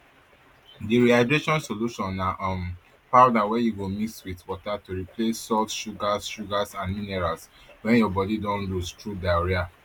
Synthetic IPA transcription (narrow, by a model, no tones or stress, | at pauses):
diɹiadɹeʃɔ̃nsoluʃɔ̃naʔɔ̃m | paʊdawɛjuɡomikswitwɔtatuɹiplesːɔltʃuɡasʃuɡasãnminɛɹalswɛ̃njɔbɔdidɔ̃nlustɹudaɛɹia